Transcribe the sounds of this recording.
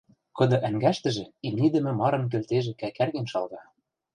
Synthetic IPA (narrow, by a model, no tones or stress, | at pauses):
kɤ̆d̪ɤ̆ʔæŋɡæʃt̪ɘ̆ʒĕimnid̪ɘ̆mɘ̆mɑɾɤ̆mk̬ø̆lt̪eʒĕkækærɣenʃɑlɣɑ